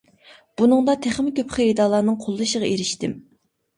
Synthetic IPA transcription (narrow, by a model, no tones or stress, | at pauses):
b̥unɨŋd̪ɑt̪ʰæχmɪkʲøpχəid̪ɑːlˠɑɾnɨŋqʰolˠːɨʃəʁɑeɾɪʃt̪ɪm